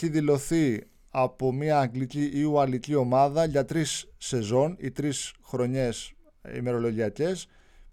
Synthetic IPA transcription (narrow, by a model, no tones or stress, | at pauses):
iðilo̞θi | ɐpo̞miɐːŋɡliciʔiuɐlicio̞mɐðɐʝɐt̪ɾisːe̞zo̞nit̪ɾisxɾo̞ɲe̞s | ḭme̞ɾo̞lo̞ʝiɐce̞s